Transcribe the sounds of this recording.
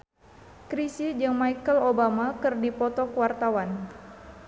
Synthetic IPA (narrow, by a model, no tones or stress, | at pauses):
kɾisid͡ʒəŋmajkəlobamakɨrdipɔt̪ɔkəwart̪awan